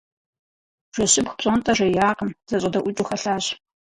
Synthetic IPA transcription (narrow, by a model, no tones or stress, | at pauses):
ʒ̥ʷɔɕɪpχpɕʼontʼɐʒɐjaːqəmz̥ɐɕʼɐdɐʔʷʊt͡ʃʼʊxɐɬaːɕ